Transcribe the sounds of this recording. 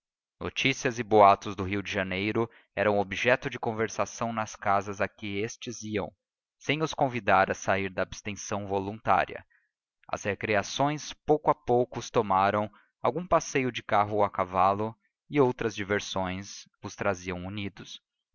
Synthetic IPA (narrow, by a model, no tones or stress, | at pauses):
no̰t͡ʃisiɐzɪboat̪ʊzd̪ʊɦiwd͡ʒɪʒanejɾʊ | ɛɾɐ̃ũobiʒɛt̪ʊd͡ʒɪkõveɾsasɐ̃w̃nɐskazɐzakɪest͡ʃɪziɐ̰̃w̃ | sẽj̃ʊskõvid̪aɾɐsaiɾd̪ɐːbst̪ẽsɐ̃w̃volũnt̪a̰ɾḭɐ̰ | ɐ̰shekɾiasõj̃spowkʊapowkʊʊst̪omaɾɐ̃w̃ | awɡũpasejʊd͡ʒɪkaɦʊakavalʊ | ɪowt̪ɾɐzd͡ʒiveɾsõj̃s | ʊst̪ɾaziɐ̃w̃unid̪ʊs